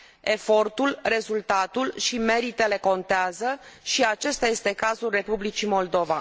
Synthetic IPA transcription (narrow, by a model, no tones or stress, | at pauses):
e̞fo̞rt̪ulre̞zult̪at̪ulʃime̞ɾit̪e̞le̞ko̞nt̪eazəʃiat͡ʃe̞st̪aje̞st̪e̞kazulre̞publit͡ʃimo̞ld̪o̞va̰